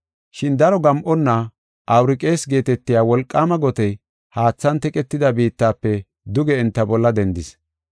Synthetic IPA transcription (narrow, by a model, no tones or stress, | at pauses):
ʃɪnd̪ɐɾɔɡɐmʔɔnːɐ | ʔɐwɾɪkʼe̞ːsɡe̞ːt̪ɛt̪ːɪjaːwɔlkʼːaːmɐɡɔt̪ɛj | haːt͡sːɐnt̪ɛkʼɛt̪ːɪd̪ɐbiːt̪ːaːpːɛ | d̪ʊɡɛɪnt̪ːɐbɔlːɐd̪ɛnd̪ɪs